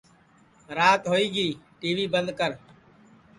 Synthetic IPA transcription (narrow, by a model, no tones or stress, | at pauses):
ɾaːt̪ɦoːiːɡiːʈiːʋiːbənd̪kəɾ